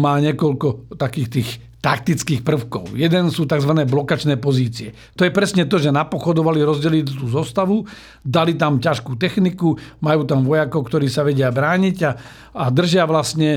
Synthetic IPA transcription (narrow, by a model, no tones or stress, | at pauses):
maːɲɪɛkɔlkɔt̪akiːxt̪iːx | t̪ak̚t̪it͡skiːxpr̩ʊkɔ̰ʊjɛd̪ɛnsuːt̪aɡzʋanɛːblɔkat͡ʃnɛːpɔziːt͡siɛ̰ | t̪ɔjɛpɾɛsɲɛt̪ɔʒɛnapɔxɔd̪ɔʋaliɾɔzɟɛlitt̪uːzɔst̪aʋu | d̪alit̪amcaʃkuːt̪ɛxnikumajuːt̪amʋɔjakɔʊkt̪ɔɾiːsaʋɛɟɪabɾaːɲiɟaː | d̪r̩ʒɪaʋlasɲɛ